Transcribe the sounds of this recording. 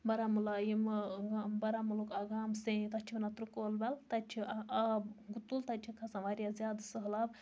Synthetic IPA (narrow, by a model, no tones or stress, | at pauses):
bɐɾamulajimɡbɐɾamulokaɡaːmsẽt̪ɐt͡ʃʰibnɐt̪ɾukoːlbɐlt̪ɐt͡ʃʰiabɡut̪ult̪ɐt͡ʃʰikʰɐsɐʋaɾʲjazʲjaːd̪səɦlab